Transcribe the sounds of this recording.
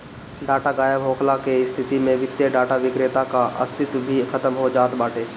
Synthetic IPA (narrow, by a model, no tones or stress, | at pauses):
ɖaːʈaɡaːjəbɦoːkʰlakest̪ʰɪt̪imẽʋɪt̪jəɖaːʈaʋɪkɾeːt̪akaɐ̰st̪ɪt̪bʱikʰɐt̪əmɦod͡ʒaːt̪baːʈʰeː